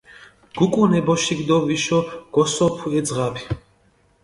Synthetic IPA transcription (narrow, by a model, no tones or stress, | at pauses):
ɡ̥ukʼunɛbɔʃiɡd̪ɔviʃɔɡ̥ɔsɔpʰuɛd̪zʁapʰi̥